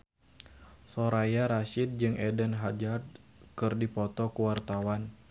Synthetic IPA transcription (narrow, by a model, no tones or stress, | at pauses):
sɔɾajaɾaʃit̪̚d͡ʒɨŋʔɛdɛnɦad͡ʒad̪̚kɨrdipɔt̪ɔkuwart̪awan